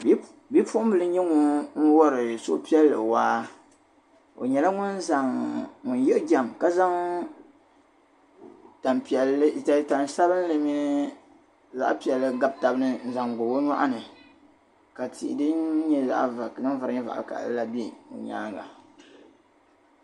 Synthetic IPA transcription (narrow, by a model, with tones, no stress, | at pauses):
b | bi˦pʊ˦ʔʊ˦m˦bɨ˨lɨ˦ɲɛ˦ŋʊ˦n̩˦wɔ˦ɾɨ˨so̰˦ʔpi˦ɛ˦lːɨ̰˨waː˦ | o̰˨ɲɛ˨la˦ŋʊ˦n˦za˨ŋŋʊ˨n˦jɛ˦ʔɡa˨mka˦za˦ŋ | ta˨npɛ˨lɨ˦˨ta˨˦ta˨nsa˦bɨ˦n˦lɨ˦mi˦nɨ˦ | za̰˦ʔpi˨ɛ˨lːɨ˨ɡa˦b̚ta˨bɨ˦nɨ˦n̩˦za˨ŋɡo˨wo˦ɲa˦ʔa˦nɨ˨ | ka˨tḭ˨ʔdɨ˦nɲɛ˦za̰˦ʔnɨ˦va˨ɾɲɛ˦va̰˨ʔka̰˨˦la˦be˦˨o̰˨ɲa̰ː˦ŋa̰˨